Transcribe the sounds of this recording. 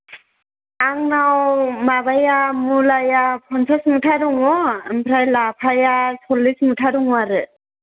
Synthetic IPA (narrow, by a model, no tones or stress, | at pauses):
aŋnawmabajamulajapʰɔnsʰasmutʰaɾuŋɔampʰɾajlapʰajasʰɔlːismutʰaɾuŋwaɾɯ